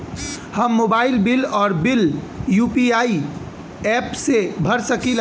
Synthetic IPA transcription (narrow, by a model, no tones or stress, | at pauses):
həmːobailbilɔːɾbiljupiai | ɛpsebʱəɾsəkil